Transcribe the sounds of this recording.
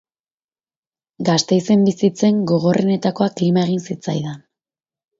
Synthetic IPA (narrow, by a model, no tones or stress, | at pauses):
ɡast̪e̞jse̞mbisit͡se̞ŋɡo̞ɣ̞o̞rʔe̞ne̞t̪ako̞aklimae̞ɣinsit͡sa̰jðan